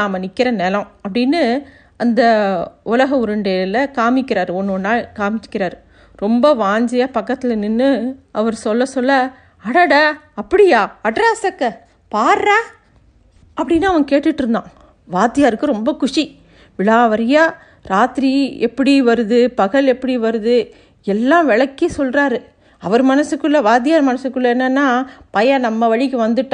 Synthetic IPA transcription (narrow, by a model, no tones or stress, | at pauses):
aːmɐnɪkːɪɾɐnɛlɐ̃ɐpːɐɽɪnːɯ | ɐnd̪ɐʊlɐɣɐʊɾɯɳɖɐlɐkaːmɪkːɪɾaːɾɯɔnːonːaːlkaːmɪt͡ʃːɯ̥kːɪɾaːɾɯ | ɾɔmbɐʋaːɲd͡ʒɐjaːpɐkːɐt̪ːɪlɛnːɯnːɯʔɐʋɐɾsɔlːɐsɔlːɐ | ɐɽɐɽɐɐpːɐɽɪjaːɐɖɾɐsɐkːɐ | paːɾɾaː | ɐpːɐɽɪnːaːʋɐŋkeːʈːɯʈːɯɾɯnd̪ã̰ː | ʋaːt̪ːɪjaːɾɯkːɯɾɔmbɐkʊʂi | ʋɪɭaːʋɐɾɐjaː | ɾaːt̪ɾiɛpːɐɽiʋɐɾɯðɯpɐɣɐɭɛpːɐɽiʋɐɾɯðɯ | ɛlːãːʋɛɭɐkːisɔlrɾaːɾɯ | ɐʋɐɾɯmɐnɐsɯkːɯɭːɐʋaːt̪̬ːɪjaːɾmɐnɐsɯkːɯlːɐɛnːɐnːaːpɐjɐnɐmːɐʋɐɻɪkːɯʋɐnd̪ɯʈːã